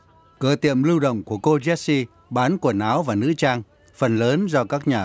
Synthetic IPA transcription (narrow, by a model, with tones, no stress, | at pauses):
kɨː˧˩t̪ḭ˧˨əmlɨ˧wɗə̰˧˨wŋ͡mku˧˩əko˧zɛ˦˥si˧ | ɓaː˨˦nku˧˩ənaː˨˦wvaː˨˩nɨ̰˧˥t͡ɕaː˧ŋ | fə˨˩nləː˨˦nzɔ˧kaː˦˥k̚ɲaː˨˩